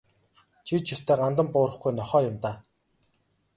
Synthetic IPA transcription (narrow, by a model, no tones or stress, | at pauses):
t͡ɕʰit͡ɕʰɵst̪ʰeːɢant̪ə̆mpʊːɾə̆χɡujnɔχɔːjʊmt̪aː